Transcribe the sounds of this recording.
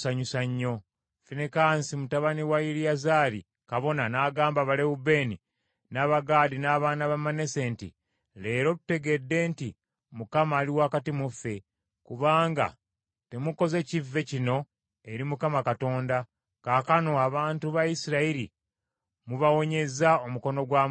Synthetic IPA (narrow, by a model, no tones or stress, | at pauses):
saɲusaɲːo̞ | finekaːnsimutaβaniwajiɾijazaːɾḭ | kaβo̞nanaːɡaːmbaβaleube̞ːni | naːβaɡaːdinaːβaːnaβamanese̞ːntḭ | le̞ːɾo̞tute̞ɡe̞dːe̞nti | mukamaːliwaːkatimufe̞ | kuβaːŋɡa̰ | te̞muko̞ze̞civːe̞cino̞ | e̞ɾimukamakato̞ːnda | kaːkano̞aβaːntuβajisiɾaiɾi | muβawo̞ɲe̞zao̞muko̞no̞ɡwaːm